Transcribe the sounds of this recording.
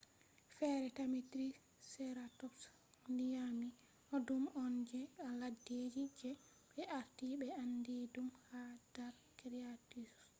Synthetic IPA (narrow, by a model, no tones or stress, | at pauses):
fɛɾɛtamitɾi | sɛɾatɔks | ndijami | ʔɔdumɔnd͡ʒɛaladed͡ʒid͡ʒɛ | ɓɛʔaɾtiɓɛandidumhadaɾ | kɾiatis